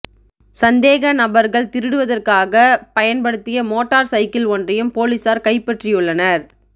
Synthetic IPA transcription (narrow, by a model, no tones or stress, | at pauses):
sɐnd̪eːɣɐnɐbɐɾɣɐɭt̪ɪɾɯɽɯʋɐðɐrkaːɣɐpɐjɐnpɐɽɯt̪ːɪjɐmoːʈːaːɾsɐɪkɪlɔndrɐjɯmpoːlisaːɾkɐɪpːɐʈrɪjɯɭːɐnɐɾ